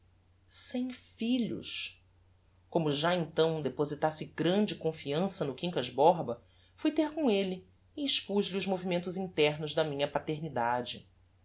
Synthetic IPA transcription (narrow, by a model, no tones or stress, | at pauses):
sẽj̃fiʎʊ̰ʃ | kõmʊʒaẽnt̪ɐ̃w̃d̪epozit̪asɪɡɾɐ̃d͡ʒɪkõfiɐ̃sɐnʊkĩŋkɐʒbɔɾbɐ | fujt̪eɾkõelɪ | ɪːʃpoʒliʊʒmovimẽnt̪ʊzĩt̪ɛɦnʊʒd̪ɐmĩɲɐpat̪eɾnid̪ad͡ʒɪ̰